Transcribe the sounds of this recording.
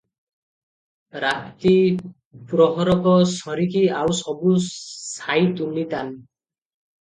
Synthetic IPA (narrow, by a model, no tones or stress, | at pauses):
ɾat̪i | pɾɔɦɔɾɔkɔsɔɾikiawsɔbusajt̪unit̪an